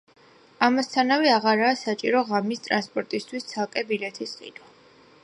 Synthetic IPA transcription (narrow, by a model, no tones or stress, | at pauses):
amast̪ʰanavɛaʁaɾaːsat͡ʃʼiɾɔʁamist̪ʼɾanspʼɔɾt̪ʼist̪ʰwist̪sʰalˠkʼɛbilɛt̪ʰisχʼḭd̪wa